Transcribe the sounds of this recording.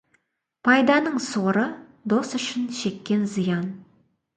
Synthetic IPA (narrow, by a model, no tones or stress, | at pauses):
pʰɑjd̪ɑnəɴsoɾəd̪o̞sʏʃɪnʃe̞kʲːe̞nzijɑn